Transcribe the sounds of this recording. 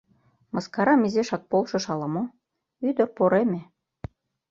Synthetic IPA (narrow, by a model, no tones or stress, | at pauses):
mɤskɑɾɑmizeʃɑk̚polʃɤ̆ʃɑlɑmo | yd̪ə̆rpoɾeme